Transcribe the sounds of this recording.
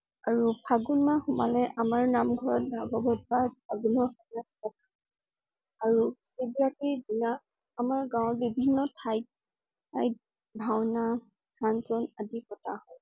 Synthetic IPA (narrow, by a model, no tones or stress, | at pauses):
aɹupʰaɡunmaxʊma̰lɛʔamaɹnamɡʱɔɹɔt̚bʱaɡɔbɔt̚baɹpʰaɡunɔxɔnatɔkʰa | aɹusibiakidinaː | maɹɡãwɹbibʱinːɔtʰajt̚ | ajt̚ | bʱawna | kanzɔnadikɔtʰahɔj